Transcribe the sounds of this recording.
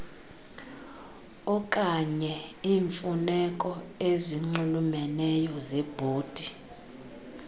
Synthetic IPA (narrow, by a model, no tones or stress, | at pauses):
ɔkʼaɲɛiːɱfunɛkʼɔeziŋ͡ǃulumɛnɛjɔzɛb̥ʱoːd̥ʱi